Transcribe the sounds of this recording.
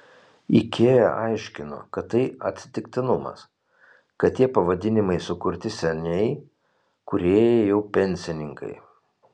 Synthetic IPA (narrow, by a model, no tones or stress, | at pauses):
ɪkʲʰeːjɛ̰ʔɐɪʃʲkʲɪno̰ːkɐt̪ːɐɪɐ̰t̪ʲsʲɪt̪ʲɪkʲt̪ʲɪnʊmɐ̰s | kɐt̪t̪ːʲiɛpɐʋɐd̪ʲɪnʲɪmɐɪsʊkʊɾʲt̪ʲɪsʲɛnʲɛɪ | kʊɾʲeːjɛɛjɛʊpʲɛnʲsʲɪnʲɪŋkɐ̰ɪ